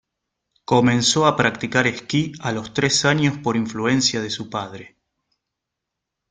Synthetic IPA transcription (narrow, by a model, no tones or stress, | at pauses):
ko̞mẽ̞nso̞apɾakt̪ikaɾehkialo̞st̪ɾesaɲjo̞spo̞ɾiɱflue̞nsjaðesupaðɾe